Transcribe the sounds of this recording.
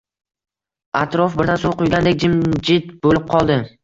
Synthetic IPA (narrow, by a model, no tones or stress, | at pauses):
at̪ɾɔfbɪɾd̪ansolˠqʊjɡʲand̪ek̚ʲd͡ʒɪmd͡ʒɪt̪bolɪp̚qʰɒlˠd̪ɪ